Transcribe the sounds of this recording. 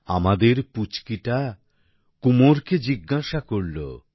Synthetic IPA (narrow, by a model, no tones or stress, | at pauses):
a̰mad̪eɾput͡ɕkiʈa | kumoɾked͡ʑiɡːaʃakoɾlo̰